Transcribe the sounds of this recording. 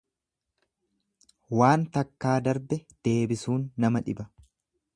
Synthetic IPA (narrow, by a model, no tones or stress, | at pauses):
waːnt̪ɐkːaːd̪ɐɾbɛd̪̥e̞ːbɪsuːnːɐmɐᶑɪbɐ